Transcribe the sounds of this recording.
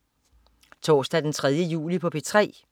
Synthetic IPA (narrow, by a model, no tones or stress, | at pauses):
t͡sʰɒ̰ːsd̥æd̥ent͡sʰʁað̞ˠjəjṵːlipʰɒ̽pʰe̝t͡sʰʁɛ̰ː